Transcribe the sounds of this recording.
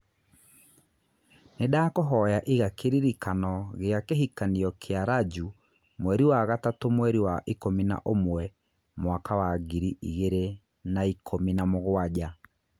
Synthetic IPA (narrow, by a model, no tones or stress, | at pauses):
nedaːkoɦɔjaʔiɣakeɾiɾikanɔɣeakeɦikaniɔkʰeaɾad͡ʒu | mwɛɾiwaɣatatomwɛɾiwaʔikomina̰ʔomwɛ | mwakawaɡiɾiʔiɣeɾe | naikʰominamoɣwaɟa